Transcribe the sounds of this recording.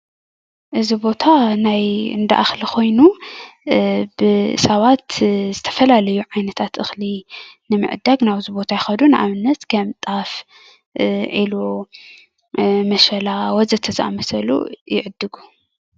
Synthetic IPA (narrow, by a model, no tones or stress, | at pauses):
ʔɨzibo̞t̪ʰanajɨ̰nd̪ɐ̰ʔaxlikʰo̞jnu | bɨɨ̰saβat̪zɨt̪ʰɐ̥fɐlalɐjuʕajnɐt̪ʰat̪ʔɨxlinɨmɨ̰ʕɨd̪aɡnaβzibo̞t̪ʰajɪxɐd̪unɨʔaβɨnːɐt̪kʰɐmt̪ʼaf | ʕilu | mɐʃɐlawɔzɨt̪ʰɐzɨʔamɐsɐlṵjɪ̰ʕɨd̪ːɨɡu